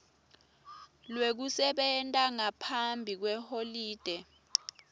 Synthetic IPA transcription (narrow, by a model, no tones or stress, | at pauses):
lwek̬usɛɓɛntʼaŋapʰambʱik̬wɛholiːd̥ʱɛ